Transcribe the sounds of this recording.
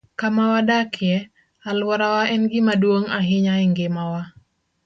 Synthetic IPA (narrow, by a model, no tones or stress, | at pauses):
kamawadakʰɪɛ | alwaɾawaʔɛnɡɪmaduoŋaɦɪɲaiŋɡɪmawa